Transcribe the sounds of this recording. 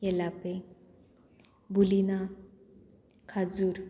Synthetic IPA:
jɛlape | bulina | kʰad͡zuːɾ

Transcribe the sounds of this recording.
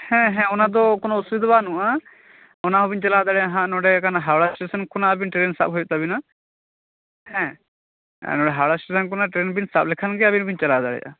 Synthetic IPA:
hɛ̃ɦɛ̃ɔnad̪ɔkɔnɔusid̪banũʔa | ɔnaɦɔbiɲt͡ʃalad̪aɽɛjaɦãʔnɔɖɛkanaɦaɽasʈesənkunaːbinʈɾensa̰p̚ɦɔjut̪abina | hɛ̰̃ | nɔ̃ɖɛɦaɽasʈesənkɔnaʈɾenbinsap̚lɛkʰanɡɛabinbiɲt͡ʃalad̪aɽɛ̰ja̰

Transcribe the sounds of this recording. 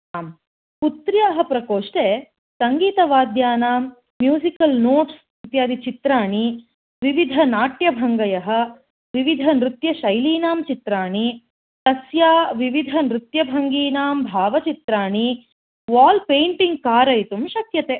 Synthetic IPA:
aːm | put̪ɾjaɦɐpɾɐkoːʂʈeː | sɐŋɡiːt̪ɐʋaːd̪jaːnaːmː | juːzikɐlnoːʈs | ɾit̪jaːd̪it͡ʃit̪ɾaːɳi | ʋiʋid̪ʱɐnaːʈjɐbʱɐŋɡɐjɐɦɐ̆ | ʋiʋid̪ʱɐnɾut̪jɐʃɐjliːnaːmt͡ʃit̪ɾaːɳi | t̪ɐsjaːʋiʋid̪ʱɐnɾut̪jɐbʱɐŋɡiːnaːmbʱaːʋɐt͡ʃit̪ɾaːɳi | ʋaːlpeːɳʈiŋɡ̚kaːɾɐjt̪umʃɐt̪jɐt̪eː

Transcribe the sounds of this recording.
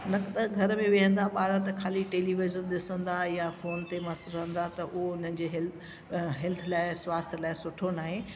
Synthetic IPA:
nɐkt̪ɐɡʱɐɾmẽʋiɦə̃nd̪aɓaːɾãt̪ɐkʰaːliʈeːliʋɪzəɾɗɪsə̃nd̪ajafoːnt̪emɐsəəɦə̃nd̪at̪ɐʔʊɦoʊn̤ənd͡ʑeːɦl | ɦɛlt̪ʰəlaːɪswaːst̪ʰəlaːɪsʊʈʰonaːɦeː

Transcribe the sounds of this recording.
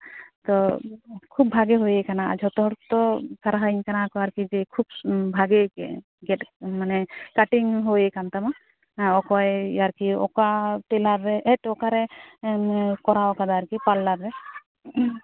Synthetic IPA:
t̪ɔ | kʰub̚bʱaɡeɦojekanaa̰d͡ʒʱɔt̪ɔɦɔɾt̪ɔsaɾaɦaiɲkanakɔaɾkid͡ʒɛkʰub̚bʱaɡekɛ | ɡɛʈmanɛkaʈiŋɦojekant̪ama | ɔkɔjaɾkiɔ̰kaʈɛlaɾːɛɛʈɔkaɾɛ | kɔɾaɔkad̪aɾkipalːaɾːɛ

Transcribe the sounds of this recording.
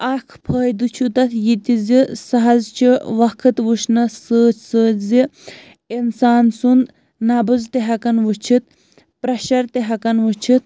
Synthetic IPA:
ɐkʰpʰəːjd̪ut͡ʃʰut̪ɐt̪ʰjit̪izisɐɦɐzt͡ʃʰiʋɐkʰɨt̪ʋuʃnɐsəːt͡ʃʰsəːzi | insaːnsund̪ | nɐbɨzt̪eɦɐkɐnʋut͡ʃʰit̪̚ | pɾɐʃɐɾt̪eɦɐkɐnʋut͡ʃʰit̪̚ʰ

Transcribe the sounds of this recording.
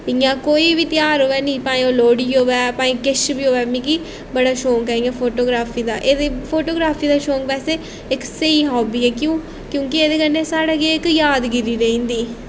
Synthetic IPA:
ɪjãːkoːiːʋiːt̪ɪjaːɾɦoːʋɛːnĩːpaːĩːõːloːɽiːɦoːʋɛːpãːĩkɪʃbiːɦoːʋɛːmĩːki | bəɽaːʃoːŋkɛːĩɛːpʰoːʈoːɡɾaːpʰiːd̪a̰ːʔeːd̪epʰoːʈoːɡɾaːpʰiːd̪aːʃoːŋk̚pɛːseː | ɪkseiːɦɔːbiːɛːkjũː | kjõːkeeːd̪eːkəɾneːsaːɽaːkeːɪkjaːd̪ɡɪɾiːɾəɦĩːnd̪iː

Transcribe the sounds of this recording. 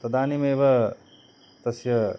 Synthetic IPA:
t̪ɐd̪aːnimeːʋɐ | t̪ɐsjɐ

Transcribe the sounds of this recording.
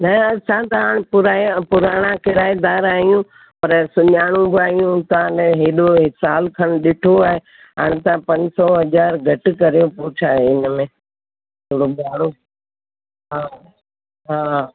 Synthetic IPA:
nɐɐsãt̪ɐɦaːɽ̃ɪ̃pʊɾapʊɾaːɽ̃ãkɪɾaːjd̪aːɾaːɦijũ | pɐɾsʊɲaːɽ̃ũbɪaːɦijũt̪ãneɦeːɗoɦɪsaːlkʰɐɽ̃ɗɪʈʰoaːɦe | ɦaːɽ̃t̪ãpɐ̃ɲd͡ʑsɔɦɐzaːɾɡʱɐʈɪkɐɾijõpuːt͡ɕʰaːɦeɪnəmẽː | t̪ʰoɽoɓaːɽo | ɦaː | ɦaː

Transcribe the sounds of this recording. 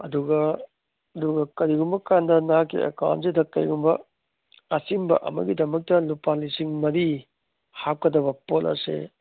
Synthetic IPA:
ɐduɡɐ | ɐduɡɐkɐɾiɡumbɐkandɐnakːḭḛka̰wntsedɐkɐjɡumbɐ | ɐsimbɐ̰ʔɐ̰mɐ̰ɡidɐmɐk̚tɐlupalisiŋmɐɾi | hap̚kɐdɐβɐpolɐ̰sḛ

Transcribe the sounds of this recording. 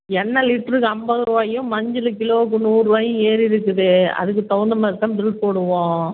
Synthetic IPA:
ɛnːɐlɪʈːɐɾɯkːɯɐmbɐðɯɾɯʋaːjʊ̃mɐɲd͡ʒɪlɯk̬ɪloːk̬ːɯnuːɾɯʋaːjʊ̃eːɾɪɾɯkːɯðɯɐ̰ðɯkːɯt̪ɔʋɐnd̪ɐmɐɾɯt̪ːãːbɪɭpoːɽɯʋõː

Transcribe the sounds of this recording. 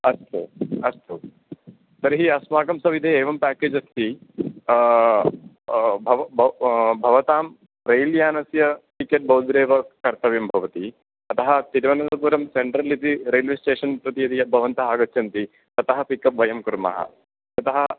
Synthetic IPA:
ɐst̪uɐst̪u | sɐɾɦiɐsmaːɡɐmsɐʋid̪ʱeeːʋɐmpæːkeːd͡ʒɐst̪ʰi | bʱɐbɐbʱɐʋɐt̪aːm | ɾejljaːnɐsjɐʈikeʈ̚bʱɐwd̪ɾeːʋɐkɐɾt̪ɐʋjɐmbʱɐʋɐt̪i | ɐt̪ɐɦɐt̪iɾʋɐnɐd̪ɐpuːɾɐmseɳʈɾɐlit̪iɾeːlʋisʈeːʂɐnpɾɐt̪iɐt̪ijɐbʱɐʋɐnt̪ɐaːɡɐtːt͡ʃɐnt̪i | ɐt̪ɐɦɐpikɐp̚ʋɐjɐmkuɾmɐ̰ɦɐ̰ | t̪ɐt̪ɐɦɐ

